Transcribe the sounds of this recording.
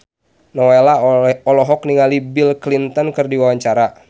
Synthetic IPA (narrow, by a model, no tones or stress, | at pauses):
nɔelaɔlɔɦɔkniŋalibilklint̪ɔnkɨrdiwawaɲt͡ʃaɾa